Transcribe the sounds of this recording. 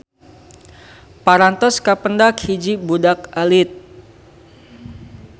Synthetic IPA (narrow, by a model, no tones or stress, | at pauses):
paɾant̪ɔskapəndakhid͡ʒibudakʔalit̪̚